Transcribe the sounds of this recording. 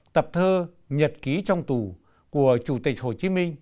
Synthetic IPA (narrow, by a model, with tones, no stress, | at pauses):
t̪ə˨˩p̚t̪ʰəː˧ | ɲə˨˩t̚ki˨˦t͡ɕɔ˧wŋ͡mt̪u˧˩ | ku˧˩ət͡ɕu˧˩t̪ï˨˩k̟̚ho˧˩t͡ɕi˨˦mï˧ŋ̟